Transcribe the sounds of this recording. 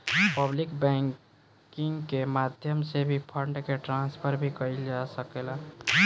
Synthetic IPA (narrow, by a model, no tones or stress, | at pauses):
pəblikbɛ̃ŋ | kiŋɡkemad̪ʱjəmsebʱipʰəɾɳɖkeʈɾãnspʰəɾbʱikəild͡ʒasəkela